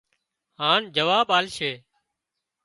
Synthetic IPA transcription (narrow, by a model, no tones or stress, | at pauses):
haːnd͡ʒəʋaːbaːlʃeː